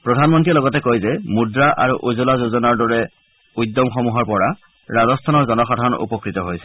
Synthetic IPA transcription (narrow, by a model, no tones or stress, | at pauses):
pɹɔdʱanmɔntiɛlɔɡɔtɛkojzɛmudɹaʔa̰ɹuʔozulazozɔnaɹdɔɹɛ | ujdɔmxɔmuɦɔɹpɔɹa | ɹazɔstʰanɔɹzɔnɔxɔdʱaɹɔnṵpɔkɹitɔɦojsɛ̥